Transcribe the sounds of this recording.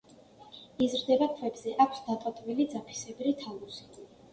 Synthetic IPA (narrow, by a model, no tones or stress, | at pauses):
izɾd̪ɛbakʰvɛbzɛʔakʰsd̪at̪ʼat̪ʼvilid̪zapʰi̥sɛbɾit̪ʰalˠusi̥